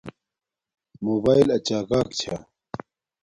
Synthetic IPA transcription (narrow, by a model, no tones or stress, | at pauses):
moːbaːjlɐt͡ɕaːɡaːkt͡ɕʰa